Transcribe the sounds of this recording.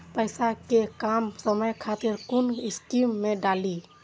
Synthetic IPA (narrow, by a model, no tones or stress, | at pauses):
pəjsakekamsəməjkʰat̪iɾkuniskimːẽɖali